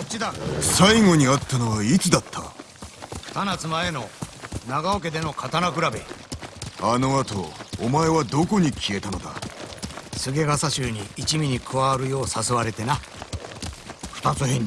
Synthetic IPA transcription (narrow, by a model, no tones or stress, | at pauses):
kot͡ɕːid̪asaiŋo̞ɲ̟iat̪ːano̞βait͡sɨd̪at̪ʰːa | kɯ̟̥t̪anat͡sɨmae̞no̞naɡaok̬e̞d̪e̞no̞kʰat̪anakɯ̟ɾabe̞̰ | ano̞at̪o̞̰ːmae̞βad̪o̞ko̞ɲ̟ikʲʰie̞t̪ano̞d̪a̰ | sɨɡe̞ɡasaɕɨːɲ̟iːt͡ɕimʲiɲ̟ikʰɯβaɾɯ̟jo̞ːsasɨβaɾe̞t̪e̞na | ɸɯ̟̥t̪at͡sɨɦẽɲ